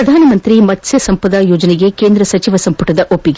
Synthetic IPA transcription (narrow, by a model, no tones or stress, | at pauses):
ɐd̪ʱaːnɐmɐnt̪ɾimɐtːsɐsɐmpɾɐd̪aːjoːd͡ʒɐneɡekeːnd̪ɾɐsɐt͡ʃiʋɐsɐmpɐʈɐd̪ɐʔopːiɡ